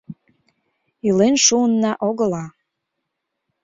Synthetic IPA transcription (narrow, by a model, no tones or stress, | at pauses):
ilenʃuənːɑʔoɣə̆lɑ